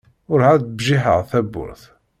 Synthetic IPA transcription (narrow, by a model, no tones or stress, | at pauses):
ʊɾhædəbʒiħə̰ʁθæbːʊ̰ɾθ